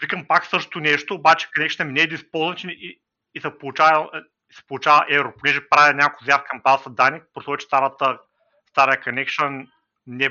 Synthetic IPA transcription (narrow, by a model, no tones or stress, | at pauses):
vikəmpaksɤʃt̪t̪ʊnɛʃt̪oːbat͡ʃɛ̥konɛkʃənɛmnɛːd̪ispolˠzvɐnt͡ʃini | isɛpolˠut͡ʃavɐ | isɛ̥polˠut͡ʃavɐʔɛvɾoponɛʒɛpɾavʲjɐnʲakkʊjzjafkɐmbasɐd̪anipɾosɔt͡ʃɛ̥t̪aɾət̪ə | st̪aɾɐjəkɐnɛkʃən | nɛ